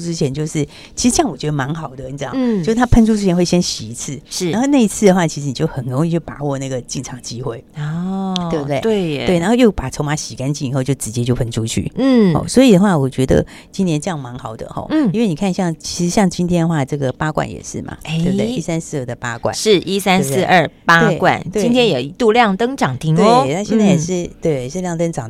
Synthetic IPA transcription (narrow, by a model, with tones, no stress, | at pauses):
ʈ͡ʂɻ̩˥t͡ɕʰjɛ˧˥nt͡ɕjo˥˧ʊʂɻ̩˥˩ | t͡ɕʰi˧˥ʂ̩˧˥jŋwɔ˨˩t͡ɕɥɛ˧˥d̪ə˧ma˧˥ŋxɑ˨˩ʊd̪ə˦ə˧˥nʈ͡ʂŋt͡ɕo˥˧ʊʂ̩˥˩t̪ʰa˥pʰə˥nʈ͡ʂʰu˥ʈ͡ʂʰɻ̩ʰ˥jɛ˧˥xwe˥˩ɕjɛ˥nɕi˨˩i˧˥t͡sʰɹ̩˥˩˥a˧nxo˥˧na˥˧i˧˥t͡sʰɹ̩˥˩d̪ə˩xwa˥˩t͡ɕʰi˧˥ʂɻ̩˧˥ni˨˩t͡ɕjo˥˩ʊxə˨˩nɻo˧˥ŋi˥˩t͡ɕjo˥˩pa̰˨˩wɔ˥˧na˥˩ɡə˩t͡ɕi˥˩nʰɑ˧˥˦ŋt͡ɕi˥xwe˥˩ɪ | twe˥˧bt̪we˥˩˧we˥˩t̪wɪna˧˥xjo˥˩ʊpa˨˩t͡sʰo˧˥ma˧˥ɕi˨˩ka˥nt͡ɕi˥˩ŋi˨˩xo˥˧ʊt͡ɕjo˥˩ʊʈ͡ʂɻ̩˧˥t͡ɕjɛ˥t͡ɕjo˥˩ʊpʰə˥nʈ͡ʂʰu˥t͡ɕʰy̰˥˩xɔ̰˥˩swɔ˧˥i˨˩d̪ə˦xwa˥˩wɔ˨˩t͡ɕɥɛ˧˥d̪ə̰˧ | t͡ɕi˥njɛ˧˥nʈ͡ʂɤ˥˧jɑ˥˩ŋma˧˥ŋxɑ˨˩ʊd̪ə̰˨xɔ̰˧˩˥nwe˥˩ɪni˨˩kʰa˥˧nɕjɑ˥˩ŋt͡ɕʰi˧˥ʂɻ̩˧˥ɕjɑ˥˩ŋt͡ɕi˥nt̪ʰjɛ˥nə˧xwa˥˧ʈ͡ʂɤ˥˩ɡə˩pa˥kwa̰˨˩njɛ̰˨˩ʂɻ̩˥˩ma̰˨˩t̪e˥˧bət̪e˥˩i˥˩sa˥ns̩˥˧ə˥˩d̪ə˩pa˥kkwa̰˨˦ʂɻ̩˥˩ʔi˥sa˥n˧s̩˥˧ʔə˞˥˩pa˥e˥˩ɪkwa̰˥˩nt͡ɕ̪t̪wei˥i˥ntʰjɛ˥njo˨˩ʊi˧˥t̪u˥˧ljɑ˥˩ŋt̪ɤ˥ŋʈ͡ʂɑ˨˩ŋt̪ʰi˧˥ŋt̪we˧na˥˧ɕjɛ˥˧nt͡sa˥˩jɛ˨˩ʂɻ̩˥˩t̪we˥˧ɪjɛ˨˩ʂɻ̩˥˧ljɑ˥˧ŋt̪ə˥ŋʈ͡ʂɑ˨˩ŋ